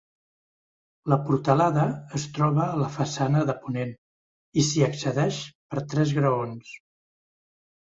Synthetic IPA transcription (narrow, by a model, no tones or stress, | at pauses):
ləpuɾt̪əlaðəːst̪ɾɔβəːləfəsanəðəpunen | isiəksəðɛʃpəɾt̪ɾɛzɣɾəons